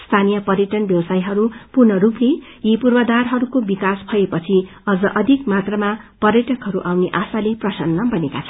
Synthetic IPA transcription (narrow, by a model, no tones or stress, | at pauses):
st̪ʰanijʌpʌrjʌʈʌnbjʌwsajɦʌɾupurnʌɾuplejipurbʌd̪arɦʌɾukobikaspʰʌepʌt͡sʰi | ʌd͡zʌʔʌd̪ʱikmat̪rʌmapʌrjʌʈʌkɦʌɾuʔawneʔasaleprʌsʌnːʌbʌnekat͡sʰʌn